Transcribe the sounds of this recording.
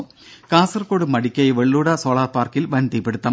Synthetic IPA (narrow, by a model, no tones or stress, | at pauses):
kaːsɐrkoːɽɨmɐɽikʲːɐjʋeɭːuːɽɐsoːɭaːpaːrkilʋɐnd̪ipeɽɯt̪ːɐm